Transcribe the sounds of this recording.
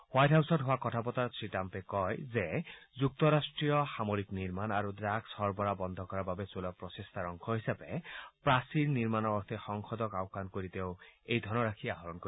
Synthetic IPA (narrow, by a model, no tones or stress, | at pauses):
hwajʈɦawsɔʈɦoakɔtʰapɔt̪aɾt̪ɹiʈampekɔjzezuk̚t̪ɔɾasʈɾiɔxamoɾikniɾmanaɾudɾaɡsɔɾbɔɾabɔnd̪ʱɔkɔɾababet͡ʃolapɾɔsest̪ʰaɾɔŋkʰɔɦisabepɾasiɾniɾmanɔːɾt̪ʰexɔŋxɔd̪ɔkawkankoɾit̪ewejd̪ʱɔɾnɔɾakʰiaɦɔɾɔnko